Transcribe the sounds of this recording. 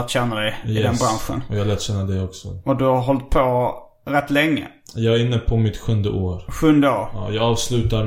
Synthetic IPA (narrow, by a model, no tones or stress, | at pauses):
t̪ɕɛnːad̪ɛjɪd̪ɛnbɾanɧə̰nɔjɑːalɛːt̪ɕɛnːad̪ɛjɔksɔ̰ɔd̪ɵhaɾɦɔlt̪̚pʰo | ɾɛt̪ːlɛŋːə̰ | jɑːɡɾɪnːəpʰɔmɪt̪ɧɵnd̪əʔoːɾɧɵnd̪əoːɾɑjɑːɡɑːvslʉ̟ːt̪aɾ